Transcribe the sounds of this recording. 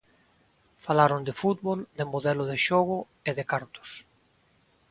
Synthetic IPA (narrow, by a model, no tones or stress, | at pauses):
falaɾond̪ɪfut̪βold̪emoðɛlʊðeʃoɣʊ | eðɪkaɾt̪ʊ̥s